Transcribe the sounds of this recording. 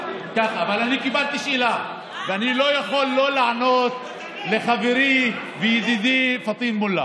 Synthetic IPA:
kaχaːvalanikibalt̪iʃʔila | veanilo̞jaχo̞lːo̞laʕanot̪ | leχaveɾi | vejid̪id̪ifat̪ˤinmulːa̰

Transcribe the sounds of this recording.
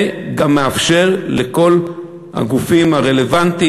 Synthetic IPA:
ɡamːeafʃe̞ʁleko̞l | ha̰ɡufimhaʁe̞le̞vant̪i

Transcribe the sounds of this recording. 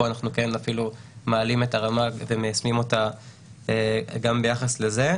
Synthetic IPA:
oanaχnuke̞nafilumealime̞taʁamavemejasmimo̞ta | eɡambejaχasle̞ze̞

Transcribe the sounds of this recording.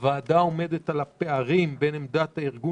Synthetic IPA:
vaːdao̞me̞d̪et̪alape̞aʁimbe̞nemd̪at̪haiʁɡu

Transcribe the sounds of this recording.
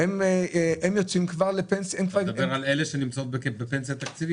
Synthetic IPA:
hemeemjo̞t͡simkvaʁlepensemkvaʁbeʁaleleʃenimt͡saot̪̚bekebepensijat̪akt͡sivi

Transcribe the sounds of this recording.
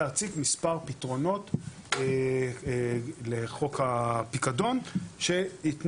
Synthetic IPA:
aʁt͡sikmispaʁpitʁo̞no̞t | leχo̞khapikado̞nʃe̞it̪n

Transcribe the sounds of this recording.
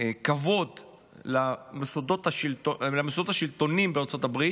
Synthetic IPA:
kavo̞d̪ | lamesodot̪aʃilolamesod̪ot̪aʃilt̪o̞nimbeaʁt͡so̞t̪abʁi

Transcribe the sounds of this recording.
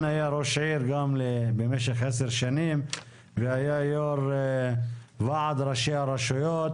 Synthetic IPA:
hajaɾoʃʕiɾɡamlebemeʃeχʕeseɾʃanim | vehajajoɾ | vaʕad̪ɾaʃeaɾaʃujot̪

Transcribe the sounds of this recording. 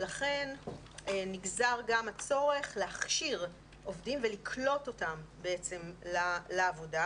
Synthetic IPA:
laχe̞n | nːiɡzaʁɡamat͡so̞ʁe̞χleaχʃiʁ | ʔo̞vdimvelikʰlo̞to̞tambeet͡se̞mlalaːvoda

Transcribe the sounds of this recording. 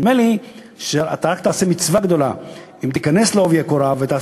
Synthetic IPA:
meli | ʃea̰t̪aʁakt̪aːse̞mit͡svaɡd̪o̞la̰ | imt̪ikane̞sleovjekoɾavet̪aː

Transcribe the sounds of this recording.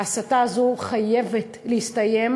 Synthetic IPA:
asataːzoχajevetlehist̪aje̞m

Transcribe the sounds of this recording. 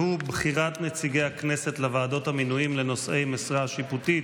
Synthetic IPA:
hubχiʁat̪net͡siɡejakneset̪levaːdo̞t̪haminujimle̞no̞sʔe̞jmesʁaʃiput̪i

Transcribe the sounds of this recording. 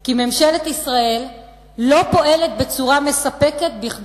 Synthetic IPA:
kimemʃelet̪isʁaelː | o̞po̞ʔe̞let̪̚be̞t͡suʁame̞sape̞ke̞t̪̚biχ

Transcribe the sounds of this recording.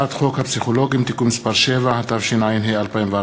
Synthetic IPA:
at̪χo̞khapsiχolo̞ɡimt̪ikumːispaɾʃevahat̪avʃinajinɦejalpaimva

